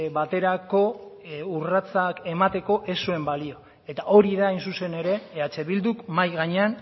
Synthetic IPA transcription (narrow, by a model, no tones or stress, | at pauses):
βat̪e̞ɾako̞urat͡sake̞mat̪e̞ko̞ʔe̞sue̞mbalio̞ | e̞t̪aʔo̞ɾiðaːjnsuse̞ne̞ɾe̞ːat͡se̞βild̪ukmajɣaɲe̞an